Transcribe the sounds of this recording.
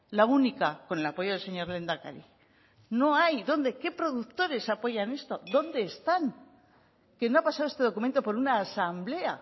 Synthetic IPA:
launikako̞ne̞lapo̞ʝo̞ðelseɲo̞ɾle̞nd̪aka̰ɾi | no̞ajðo̞nd̪e̞ke̞pɾo̞ðuk̚t̪o̞ɾe̞sapo̞ʝane̞st̪o̞ðo̞nd̪e̞ːst̪aŋ | ke̞no̞apasaðoe̞st̪e̞ðo̞kume̞nt̪o̞po̞ɾunaːsamble̞a

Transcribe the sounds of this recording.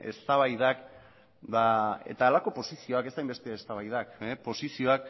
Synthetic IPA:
e̞̰st̪aβajðak | d̪ae̞̰t̪aːlako̞po̞sisio̞ake̞st̪ajmbe̞st̪eːst̪aβajðakepo̞sisio̞ak

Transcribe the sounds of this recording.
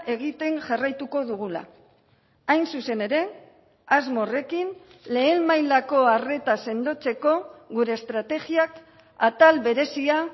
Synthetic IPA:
ʔe̞ɣit̪e̞ŋʝarajt̪uko̞ðuɣ̞ula̰ | ajnsuse̞ne̞ɾe̞ | azmo̞re̞kin | le̞ːmmajlako̞are̞t̪ase̞nd̪o̞t͡se̞ko̞ɣuɾe̞ːst̪ɾat̪e̞ɣiak | at̪alβe̞ɾe̞sia

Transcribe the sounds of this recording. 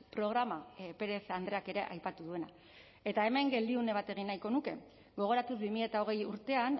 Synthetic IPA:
pɾo̞ɣ̞ɾamape̞ɾe̞sand̪ɾe̞ake̞ɾe̞̰ʔajpat̪uðue̞na | e̞t̪ae̞me̞ŋɡe̞ld̪iune̞β̞at̪e̞ɣ̞inːajko̞nuke̞̰ | ɡo̞ɣ̞o̞ɾat̪uzbimiʎe̞t̪ao̞ɣ̞e̞juɾt̪e̞an

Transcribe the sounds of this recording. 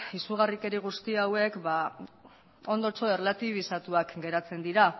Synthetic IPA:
isuɣ̞arike̞ɾiɣ̞ust̪iawe̞kba | o̞nd̪ot͡so̞e̞rlat̪iβ̞isat̪uakɡe̞ɾat͡se̞nd̪iɾa

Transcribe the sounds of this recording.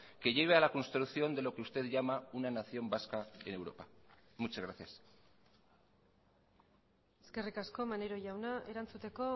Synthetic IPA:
ke̞ʝe̞β̞e̞alakonst̪ɾuθjo̞nd̪elo̞keust̪e̞ðʝamaunanaθjo̞mbaskae̞ne̞wɾopa | mut͡ʃazɣɾaθjas | eske̞rikasko̞maneɾo̞ʝawnaʔe̞ɾant͡sut̪e̞ko̞

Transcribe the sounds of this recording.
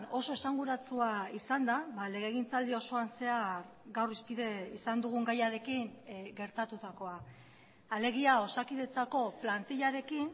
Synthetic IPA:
no̞so̞e̞saŋɡuɾat͡suaisand̪aβale̞ɣ̞eɣ̞int͡sald̪io̞so̞anse̞aɾ | ɡawrispiðe̞isand̪uɣ̞uŋɡajaɾe̞kiŋɡe̞ɾt̪at̪ut̪ako̞a | ale̞ɣ̞iao̞sakið̞e̞t͡sako̞plant̪iʎaɾe̞kin

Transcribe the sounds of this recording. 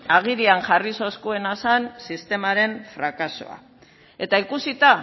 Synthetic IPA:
aɣ̞iɾianʝariso̞skue̞nasansist̪e̞maɾe̞ɱfɾakaso̞̰a̰ | e̞t̪aikusit̪a

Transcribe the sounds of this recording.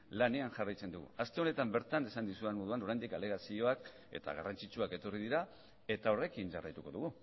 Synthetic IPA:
lane̞anʝarajt͡se̞nd̪uɣṵast̪e̞o̞ne̞t̪ambe̞ɾt̪ane̞sand̪isuenmo̞ð̞uanoɾajnd̪ikale̞ɣ̞asio̞ak | e̞̰t̪a̰ɣ̞a̰rant͡sit͡ʃuake̞t̪o̞rið̞iɾa | e̞t̪ao̞re̞kinʝa̰rajt̪uko̞ðuɣ̞u

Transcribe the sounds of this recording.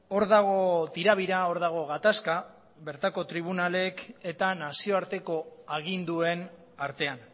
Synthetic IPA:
o̞ɾðaɣ̞o̞t̪iɾaβ̞iɾao̞ɾðaɣ̞o̞ɣat̪aska | βe̞ɾt̪ako̞t̪ɾiβ̞unale̞ke̞t̪anasio̞aɾt̪e̞ko̞aɣ̞ind̪ue̞n | aɾt̪e̞an

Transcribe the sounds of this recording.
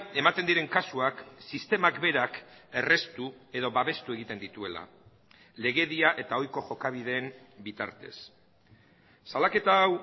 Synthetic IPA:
e̞mat̪e̞nd̪iɾe̞ŋkasuaksist̪e̞makbe̞ɾake̞re̞st̪ue̞ðo̞βaβe̞st̪ue̞ɣ̞it̪e̞nd̪it̪ue̞la̰ | le̞ɣe̞ðiaʔe̞t̪ao̞jko̞ʝo̞kaβ̞iðe̞ːm | bit̪a̰ɾt̪e̞s | alake̞t̪aːw

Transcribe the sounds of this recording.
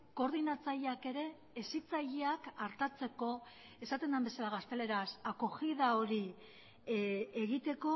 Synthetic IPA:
ko̞ɾðinat͡saʎeake̞ɾe̞ː | sit͡saʎeakaɾt̪at͡se̞ko̞ | e̞sat̪e̞nd̪ambe̞salaɣast̪e̞le̞ɾasakoɣiðao̞ɾi | e̞ɣit̪e̞ko̞

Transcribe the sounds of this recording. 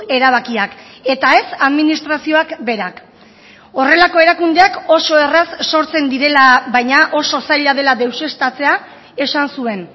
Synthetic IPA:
e̞ɾaβ̞akiak | e̞t̪ae̞saðminist̪ɾasio̞akbe̞ɾak | o̞re̞lako̞e̞ɾakund̪eako̞so̞e̞rasːo̞ɾt͡se̞nd̪iɾe̞laβajɲaʔo̞so̞sajʎað̞e̞laðe̞wse̞st̪at͡se̞a | e̞sansue̞n

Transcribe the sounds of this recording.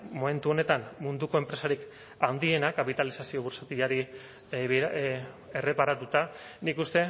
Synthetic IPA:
mo̞me̞nt̪uo̞ne̞t̪anmund̪uko̞e̞mpɾe̞saɾik | and̪ie̞nakapit̪alisasio̞βuɾsat̪iʎaɾi | β | e̞re̞paɾat̪ut̪anikust̪e̞

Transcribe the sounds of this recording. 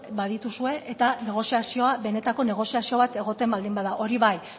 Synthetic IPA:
baðit̪usue̞ʔet̪ane̞ɣ̞o̞siasio̞aβe̞ne̞t̪ako̞ne̞ɣ̞o̞siasio̞β̞at̪e̞ɣ̞o̞t̪e̞mbald̪imbaðaʔo̞ɾiβaj

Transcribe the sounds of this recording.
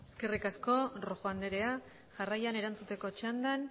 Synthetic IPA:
eske̞rikasko̞roʝoand̪e̞ɾe̞a | ʝarajaneɾant͡sut̪e̞ko̞t͡ʃand̪an

